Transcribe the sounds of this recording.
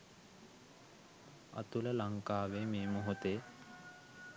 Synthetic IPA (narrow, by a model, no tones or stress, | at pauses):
a̰t̪uləlaŋkaːʋeːmeːmuɦot̪eː